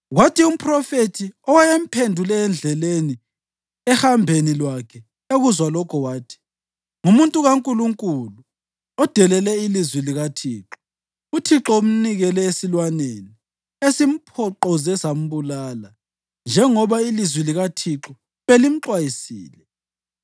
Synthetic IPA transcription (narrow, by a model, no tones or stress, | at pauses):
watʰium̩pʰʼrɔfetʰiɔwajem̩pʰendʱulɛːnd͡ɮʱɛleni | ɛhambʱenilwakʰɛ | eɣuzwalɔkʰɔwaːtʰi̥ | ŋumuntʼuɣaŋkʼuluŋkʼulu | ɔd̥ʱɛlɛlɛilizwiliɣatʰiːǁɔ̥ | utʰiǁɔum̩niɣɛlɛesilwaneni | esim̩pʰɔǃɔzɛsam̩βulaːla | nd͡ʒʱɛŋɔβailizwiliɣatʰiǁɔ | βelim̩ǁwajisḭːlɛ